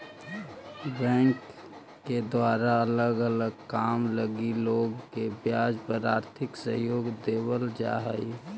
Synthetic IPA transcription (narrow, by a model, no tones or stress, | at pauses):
bɛ̃ŋkː | ed̪waːɾaələɡələɡ̚kaːmləɡiloːɡkebjaːd͡ʒpəɾaːɾt̪ʰɪksəɦjoːɡd̪eːwəld͡ʒa̰ɦəi